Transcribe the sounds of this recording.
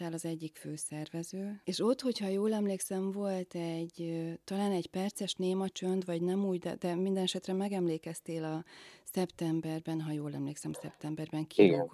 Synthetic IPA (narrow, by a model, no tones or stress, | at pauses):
aːlɒzɛɟːikføːsɛrvɛzøːeːʃo̞t̪ho̞chɒjoːlɛmleːksɛɱvo̞lt̪ɛɟt̪ɒlaːnɛɟpɛrt̪sɛʃneːmɒt͡ʃønd̪ʋɒɟnɛmuːɟd̪ɛ̰d̪ɛmind̪ɛnɛʃɛt̪rɛmɛɡɛmleːkɛst̪eːlɒsɛpt̪ɛmbɛrbɛnɦɒjoːlɛmleːksɛmsɛ̰pt̪ɛmbɛrbɛŋkiɡɛn